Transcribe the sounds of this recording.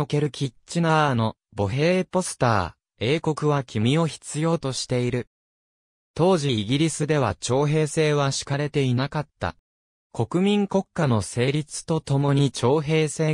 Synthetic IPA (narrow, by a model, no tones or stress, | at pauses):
oke̞ɾɯ̟kʲʰitt͡ɕinano̞ | bo̞ɦe̞ːpo̞sɨ̥t̪a̰ː | e̞ːko̞kɯ̟βakʲimʲio̞çi̥t͡sɨjo̞ːt̪o̞ɕi̥t̪e̞iɾɯ̟ | t̪o̞ːʑiːɡʲiɾʲisɨd̪e̞β̞a̰t͡ɕo̞ːɦe̞ːse̞ːβaɕi̥kaɾe̞t̪e̞inakat̪ːa̰ | kʰo̞kɯ̟mʲĩŋko̞kːano̞se̞ːɾʲit͡sɨ̥t̪o̞t̪o̞mo̞ɲ̟it͡ɕo̞ːɦe̞ːse̞ː